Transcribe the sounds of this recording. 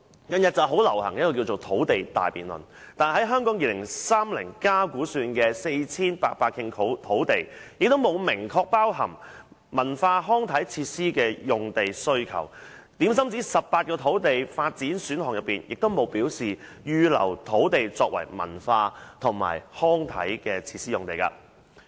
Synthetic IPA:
kɐ˨˧njɐ˨t̚t͡sɐ˨wɦo˨˥wlɐ˨˩whɐ˨˩ŋjɐ˥kɔː˨˧k̬i˧wt͡ʃo˨˩wt̪ʰo˨˥wt̪e˨jt̪a̰ː˨jpiː˨˩nlɵ̰˨n | t̪aː˨nɦɐ˨˥jɦœː˥ŋkɔː˨˥ŋjiː˨lɪ˨˩ŋsaː˥mlɪ̰˨˩ŋkaː˥kuː˨˥syː˧nkɛː˧se˧jt͡sʰiː˥npaː˧paː˧t̚kʰɪ˧ŋt̪ʰo˨˥wt̪ʰo˨˥wt̪e˨˩jjɪ˨k̚t̪o˥wmo˨˧wmɪ˨˩ŋkʰɔː˧k̚paː˥wɦɐ̰˨˩ŋ | mɐ˨˩nfaː˧ɦɔː˥ŋt̪ʰɐ˨˥jt͡sʰiː˧t̚siː˥kɛː˧jʊ˨ŋt̪e˨jsɵ˥ɥkʰɐ̰˨˩wt̪iː˨˥ms̬ɐ˥mt͡siː˨˥sɐ˨p̚paː˧t̚kɔː˧t̪ʰo˨˥wt̪e˨jfaː˧t̚t͡siː˨˥nsyː˨˥nhɔː˨ŋjɐ˨tpːiː˨njɪ˨k̚t̪o˥wmo˨˧wpiː˨˥wsiː˨˩ | jyː˧lɐ̰˨˩wt̪ʰo˨˥wt̪e˨jt͡sɔː˧k̚wɐ̰˨˩jmɐ̰˨˩nfaː˧t̪ʰʊ˨˩ŋma̰ː˨˩jhɔː˥ŋt̪ʰɐ̰˨˥jkɛː˧t͡sʰiː˧t̚siː˥ʊ˨ŋt̪e˨jka̰ː˧

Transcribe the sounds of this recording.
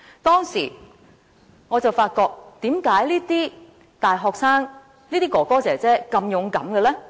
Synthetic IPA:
t̪ɔː˥ŋsiː˨˩ | ŋɔː˨˧t͡sɐ˨˩wfaː˧t̚kɔː˧k̚t̪iː˨˥mkaː˨˥jliː˥t̪iː˥ | t̪aː˨jɦɔː˨ksaː˥ŋ | liː˥t̪iː˥kɔː˨˩kɔː˥t͡sɛː˨˩t͡sɛː˥kɐ˧mjʊ˨˥ŋkɐ˨˥mkɛ˧lɛː˥

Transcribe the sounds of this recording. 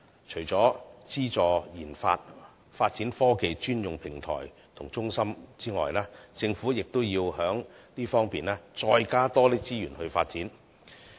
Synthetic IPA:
t͡ʃʰɵ˨˩ɥt͡sɔː˨˥t͡siː˥t͡sɔː˨jiː˨˩nfa̰ː˧t̚ | faː˧t̚t͡siː˨˥nfɔː˥ke˧jt͡ʃyː˥njʊ˨ŋpʰɪ˨˩ŋt̪ʰɔ̰ː˨˩j | t̪ʰʊ˨˩ŋt͡sʊ˥ŋsɐ˥mt͡siː˥ŋɔ̰ː˨jlaː˥t͡sɪ˧ŋfuː˨˥jɪ˨k̚t̪ʊ˥wjiː˧whœː˨˥ŋliː˥fɔː˥ŋpiː˨naː˥t͡sɔː˧jkaː˥t̪ɔː˥liː˥t͡siː˥jyː˨˩nhɵ˧ɥfa̰ː˧t̚t͡siː˨˥n

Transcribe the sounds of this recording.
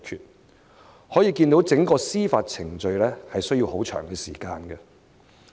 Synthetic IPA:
kʰyː˨t̚ | hɔː˨˥jiː˧kiː˧nt̪o˨˥wt͡sɪ˨˥ŋkɔː˧siː˥faː˧t̚t͡sʰɪ˨˩ŋt͡sɵ˧ɥlɛː˥hɐ˨jsɵ˥ɥjiː˧who˨˥wt͡ʃʰœ̰ː˨˩ŋkɛ˧siː˨˩kaː˧nɡɛ˧

